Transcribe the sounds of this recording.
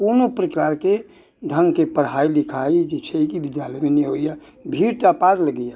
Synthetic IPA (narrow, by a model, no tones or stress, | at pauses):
punopɾəkaːɾke | dʱə̃ŋɡkepəɽ̤aːilɪkʰaid͡ʒesʰeikid̪id͡ʒ̪alemeneɦoija | bʱiːɾt̪apaɾləɡəja